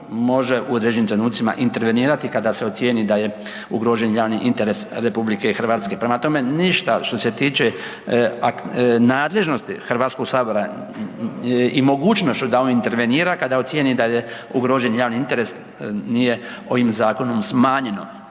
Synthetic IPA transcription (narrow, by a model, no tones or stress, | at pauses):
mo̞ʒeuod̪ɾed͡ʑenimt̪ɾe̞nuːt̪sima̰ʔint̪e̞ɾʋe̞niːɾat̪ikad̪aseot̪sjenid̪aje | uɡɾo̞ʒe̞njaːʋniʔint̪e̞ɾe̞sɾe̞publike̞ixɾr̩ʋaːt̪ske̞pɾemat̪o̞me̞niʃt̪aʃt̪o̞se̞t̪iːt͡ʃe | aknaːd̪le̞ʒno̞st̪ixr̩ʋaːt̪sko̞ɡsaːbo̞ɾa | imo̞ɡuːt͡ʃno̞st͡ʃud̪aoint̪eɾʋe̞niːɾakad̪ao̞t̪sjenid̪aje | uɡɾo̞ːʒenjaːʋniint̪e̞ɾe̞s | nije̞ | o̞ʋimzaːko̞nomsmaːɲe̞no̞